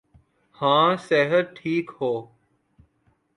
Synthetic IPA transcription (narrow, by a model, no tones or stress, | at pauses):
hãːseːɦəɾʈʰiːkhoː